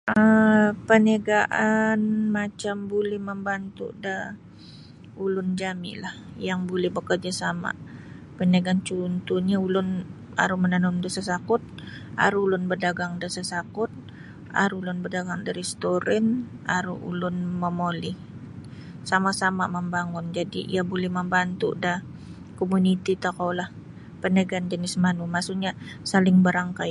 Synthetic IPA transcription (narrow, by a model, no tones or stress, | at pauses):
əpənaɡaʔanmat͡ʃambulɛhməmbant̪ṵʔda | ulʊnd͡ʒamɪ̰lahjaŋbulɛhbəkərd͡ʒasama̰ | pənaɡaːnt͡ʃunt̪uɲaulʊn | a̰ɾumənanʊndəsasakʊt̪̚ | a̰ɾuulʊnbərdaɡaŋdəsasakʊt̪̚ | a̰ɾulʊnbərdaɡaŋdaɾɛst̪oɾɛna̰ɾuṵlʊnməmolɪh | samasama̰məmbaŋʊnd͡ʒadḭʔḭabolɛhməmbant̪ṵʔdah | komunit̪it̪akawlah | pənəɡand͡ʒənɪsmanumasuʔɲasalɪŋbəɾaŋka